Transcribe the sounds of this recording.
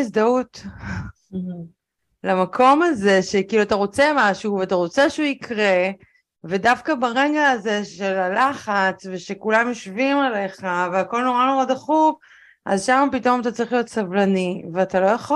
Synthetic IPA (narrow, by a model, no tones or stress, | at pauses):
isd̪aut | lamakʰo̞maze̞ʃe̞kiːluat̪aʁo̞t͡semaʃuveataʁo̞t͡seʃuikʁe̞ | ve̞dafkabaʁeɡaːze̞ʃelalaχat͡sveʃe̞kulamjoʃvimale̞χaveako̞lno̞ʁano̞ʁad̪aχuv | ʔa̰zʃamapito̞mat̪̬at͡saʁiχlijo̞t̪savlaniveatalo̞jaχo